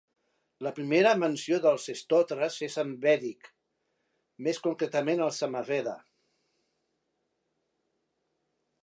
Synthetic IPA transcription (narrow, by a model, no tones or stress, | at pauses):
ləpɾimeɾəmənsioðəlˠzest̪ɔt̪ɾəzezəmbɛɾik | meskuŋkɾet̪əmenəlˠsəmavɛðə